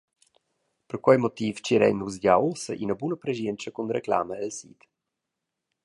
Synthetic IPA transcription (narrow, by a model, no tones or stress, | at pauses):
pərkwajmɔt̪iːft͡ʃiɾɛ̰nːuzɟawlsə̰ʔinəbunəpɾɛʒɛnt͡ʃəkunɾekla̰məɛlsḭt̪